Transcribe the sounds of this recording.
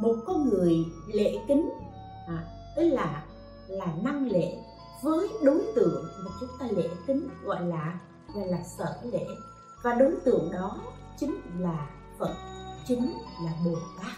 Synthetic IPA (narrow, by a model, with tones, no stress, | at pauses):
mo˨˩t̚kɔ˧ŋɨ˨˩əjlḛ˧˩˨kï˨˦ŋ̟ | ʔaː˨˩ | t̪ɨ˨˦laː˨˩ | laː˨˩na˧ŋlḛ˧˥˨ | vəː˨˦jɗo˨˦jt̪ɨ̰˧˨əŋmaː˨˩t͡ɕʊ˨˦ŋ͡mt̪aː˧lḛ˧˨k̪ï˨˦ŋ̟ɣɔ̰˧˨jlaː˨˩ | a˧˨laː˨˩sə̰ː˧˩lḛ˧˨ | vaː˨˩ɗo˨˦jt̪ɨ̰˧˨əŋɗɔ˨˦ | t͡ɕï˨˦ŋ̟laː˨˩ | fə̰˨˧˨t̚t͡ɕï˨˦ŋ̟laː˨˩ɓo˨˩t̪aː˨˦˥k̚